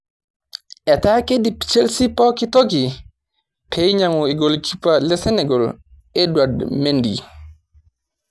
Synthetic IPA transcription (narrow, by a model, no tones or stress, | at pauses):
ʔɛtaːkedit͡ʃelsipɔkitoki | pʰɛjɲamɔɛɡolkʰipalɛsɛnɛɡɔl | ɛdwadmendḭ